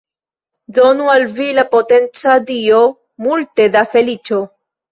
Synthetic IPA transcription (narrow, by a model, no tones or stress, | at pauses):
d̪o̞nualvilapote̞nt͡sad̪io | multe̞dafe̞lit͡ʃo